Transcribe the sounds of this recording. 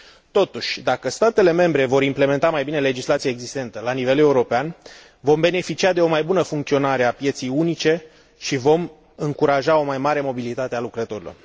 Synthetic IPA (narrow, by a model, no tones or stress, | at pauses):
t̪o̞t̪uʃʲd̪akəst̪at̪e̞le̞me̞mbɾe̞vo̞ɾimple̞me̞nt̪amajbine̞le̞d͡ʒislat̪sijaeɡzist̪e̞nt̪əlanive̞le̞uɾo̞pean | vo̞mbe̞ne̞fit͡ʃiad̪e̞o̞majbunəfuŋkt̪sio̞naɾe̞apje̞t̪sijunit͡ʃe̞ | ʃivo̞m | ɨŋkuɾaʒao̞majmaɾe̞mo̞bilit̪at̪ealukɾət̪o̞ɾilo̞̰r